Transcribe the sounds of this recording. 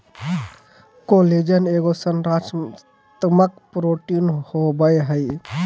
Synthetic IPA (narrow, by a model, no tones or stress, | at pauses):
koled͡ʒəneɡosənɾat͡ʃ | t̪məkpɾoʈinhobəjɦəj